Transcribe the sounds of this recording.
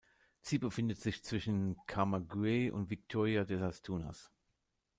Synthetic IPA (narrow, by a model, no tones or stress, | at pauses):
t͡siːbəfɪndətz̥ɪçt͡sv̥ɪʃn̩kʰamaɡʁeʔʊ̰ntv̥ɪk̚tʰoːʁiadɛsastʰuːna̰s